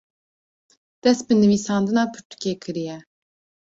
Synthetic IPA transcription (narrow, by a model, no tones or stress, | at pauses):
d̪̥ɛst̪̚bɨnɨviːsɑːnd̪ɨnɑːpʰɨɾt̪ʰu̥kekʰɨɾijɛ